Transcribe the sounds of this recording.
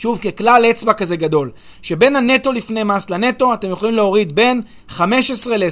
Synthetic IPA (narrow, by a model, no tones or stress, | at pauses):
ʃuvkeklalet͡sbakaze̞ɡad̪o̞l | ʃe̞be̞nhane̞to̞lifne̞jmaslane̞to̞ate̞mjo̞χolimleo̞ʁid̪be̞n | χame̞ʃesʁe̞le